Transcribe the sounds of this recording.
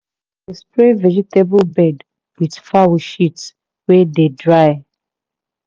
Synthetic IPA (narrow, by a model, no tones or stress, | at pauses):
despɹevɛd͡ʒitebɔbɛd | widfawəʃits | wɛdedɹaj